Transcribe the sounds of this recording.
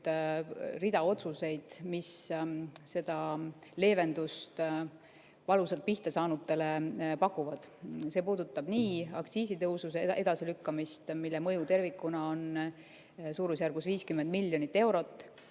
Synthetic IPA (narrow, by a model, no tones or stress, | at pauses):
rid̪̥ɑo̞t̪suse̞jd̪̥mis | se̞d̪̥ɑle̞ːve̞nd̪̥ust̪ | vɑlusɑlt̪̚piht̪ɑsɑːnut̪ːˑe̞le̞pɑkːˑuvɑd̪̥se̞ːpuːd̪̥ut̪ːˑɑb̥niːɑksiːsit̪ɤwsuseʔed̪̥ɑsilykːɑmist̪milːemɤ̞jut̪e̞rvikːˑunɑo̞n | suːɾus̬jærɡ̥usviːskymːend̪milːjo̞nit̪ːe̞wɾo̞t̪ˑː